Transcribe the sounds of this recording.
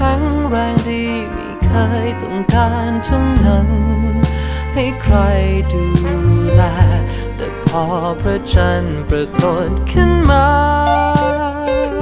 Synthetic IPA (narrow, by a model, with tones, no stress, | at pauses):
kʰa˧˥ŋɾɛː˧ŋdiː˧˩ | mḭ˧˩kʰɤː˧˥jt̪ʰo˧˩ŋkaː˧˥nt̪ʰu˧˥ŋna˧ŋ | ha˧˩jkʰɾa˧jduː˧lɛː˧ | t̪ɛ̰˨˧˩pʰɔː˧˥pʰɾɔ˧t͡ɕa˧˩npɾa˧ko˧˩t̪̚kʰɯ˧˥nmaː˧